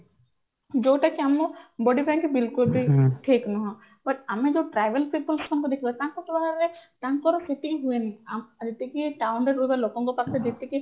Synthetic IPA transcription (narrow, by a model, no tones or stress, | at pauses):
d͡ʒoʈakiamɔ̃bɔɖibɛ̃ŋkbilkulbʱiʈʰiknɔɦɔ̃ | bɐʈamed͡ʒoʈɾajʋelpiʈ̚pulsɔmkɔd̪ekʰibɔt̪aŋkɔkɔbaɦaɾɾet̪aŋkɔɾɔseʈiɦueniamd͡ʒet̪ikiʈawɳɖeɾːubelokɔŋkɔpakʰt̪ed͡ʒet̪iki